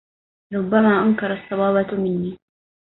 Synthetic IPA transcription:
ɾˤʊbːamaːʔʊnkɑɾˤɑsˤːɑwɑːbamɪnːiː

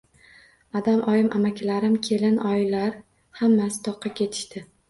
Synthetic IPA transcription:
ad̪amʔɒjɪmʔamakʲɪlaɾɪmkʲʰe̞lɪnɒjlaɾ | hamːasɪ̥t̪ʰɒqʰːɑkʲʰe̞t̪ʰɪ̥ʃt̪ɪ

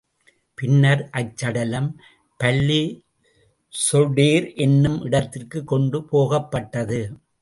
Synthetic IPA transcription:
pɪnːɐɾʔɐt͡ʃːɐɽɐlɐm | pɐlːi | sɔɽeːɾʔɛnːɯmʔɪɽɐt̪ːɪrkɯkːɔɳɖɯpoːɣɐpːɐʈːɐðɯ

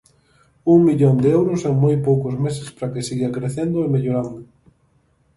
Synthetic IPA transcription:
uŋmiʎond̪eɛwɾʊsɛŋmojpowkozmes̬ɪspɾakɪsiɣakɾeθend̪ʊemeʎoɾand̪ʊ

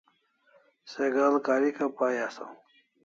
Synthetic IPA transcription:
seɡalkaːɾikapaːjasa̰w

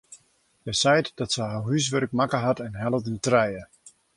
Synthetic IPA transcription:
jɛjsɛjtdɔtsəjɦarɦys̬ʋœrk̚makəɦatɛnɦɛlˠəvdəntrɛjə

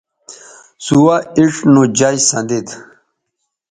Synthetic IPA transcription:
suwaiʂnud͡ʑajsɐ̰̃nd̪id̪

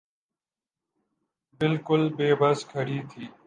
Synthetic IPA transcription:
bɪlkʊlbeːbəskʰəɾiːt̪ʰiː

